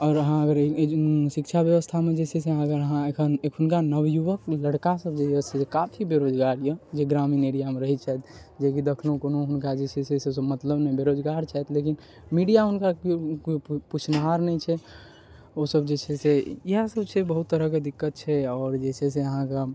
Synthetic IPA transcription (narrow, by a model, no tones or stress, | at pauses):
ɔːɾəɦãəɡəɾʃikt͡ʃʰabjəʋəst̪ʰamed͡ʒeseseãɡəɾəɦãekʰənekunkanəwjuʋəkləɽkasəbd͡ʒeɛsʰesekapʰibeɾod͡ʒɡaɾjəd͡ʒeɡɾamineɽijamẽɾəɦit̪̚t͡ʃʰɛɛt̪̚d͡ʒekid̪ekʰlõkonoɦʊnkad͡ʒet͡ʃʰeseses̬əbmət̪ləbnɛbeɾod͡ʒɡaɾt͡ʃʰɛɛt̪ʰlekin | miɖijaɦunkakput͡ʃʰnɦaɾnɛit͡ʃʰɛ | osəb̚d͡ʒet͡ʃʰɛseiɦsəbt͡ʃʰɛbəɦut̪ːəɾəɦked̪ikːət̪̚t͡ʃʰɛɔːɾd͡ʒesʰɛseəɦãke